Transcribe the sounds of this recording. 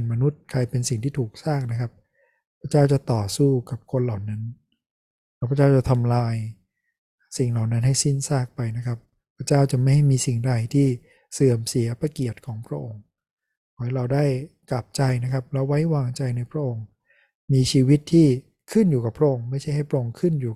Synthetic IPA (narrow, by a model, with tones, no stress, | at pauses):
nma˧nu˦˥t̪̚kʰɾa˧jpe˧nsi˨˩ŋt̪ʰiː˥˩t̪ʰuː˨˩k̚saː˥˩k̚na˦˥kʰa˦˥p̚ | pʰɾa˦˥t͡ɕaː˥˩wt͡ɕa˨˩t̪ɔː˨˩suː˥˩ka˨˩p̚kʰo˧nla˨˩wna˦˥n | lɛ˦˥pʰɾa˥t͡ɕaː˥˩wt͡ɕa˨˩t̪ʰa˧mlaː˧j | si˨˩ŋla˨˩wna˦˥nɦa˥˩jsi˥˩nsaː˥˩k̚pa˧jna˦˥kʰa˦˥p̚ | pʰɾa˦˥t͡ɕaː˥˩wt͡ɕa˨˩ma˥˩jha˥˩jmiː˧si˨˩ŋda˨˧˩jt̪ʰiː˥˩ | sɯ˨˩əmsi˩˦ɐpa˧ki˨˩ət̪̚kʰɔː˩˦ŋpʰɾa˦˥ʔo˧ŋ | kʰɔː˩˦jɾa˧wdaː˥˩jkla˨˩p̚t͡ɕa˧jna˦˥kʰa˦˥p̚lɛ˦˥wːa˦˥jwaː˧ŋt͡ɕa˧jna˧jpʰɾa˦˥ʔo˧ŋ | miː˧t͡ɕʰiː˧wi˦˥t̪ʰːiː˥˩ | kʰɯ˥˩njuː˨˩ka˨˩pʰɾa˦˥ʔo˧ŋma˥˩jʰa˥˩jɦa˥˩pʰɾa˦˥ʔo˧ŋkʰɯ˥˩njuː˨˩